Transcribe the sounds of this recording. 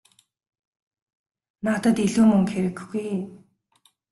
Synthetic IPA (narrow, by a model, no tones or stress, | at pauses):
nat̪ə̆t̪iɮuːmɵŋxeɾɘ̆kxɡuj